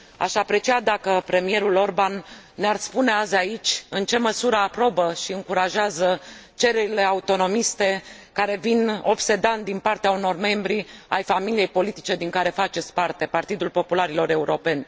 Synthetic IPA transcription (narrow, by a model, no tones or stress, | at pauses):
a̰ʃapɾe̞t͡ʃiad̪akəpɾe̞mije̞ɾulo̞rbanːearspune̞azait͡ʃʲɨnt͡ʃe̞məsuɾəapɾo̞bəʃiɨŋkuɾaʒeazət͡ʃe̞ɾe̞ɾile̞aut̪o̞no̞mist̪e̞ | kaɾe̞vino̞̰pse̞d̪and̪inpart̪eauno̞rme̞mbɾia̰jfamilije̞jpo̞lit̪i̥t͡ʃe̞d̪iŋkaɾe̞fat͡ʃe̞t̪sʲpart̪e̞part̪id̪ulpo̞pulaɾilo̞ɾe̞uɾo̞pe̞nʲ